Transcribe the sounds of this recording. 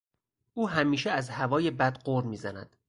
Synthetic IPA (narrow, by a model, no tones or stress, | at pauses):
ʔuːɦæmiːʃeæzhævɒːje̞bæd̪ɢoɾmiːzænæ̰d̪̥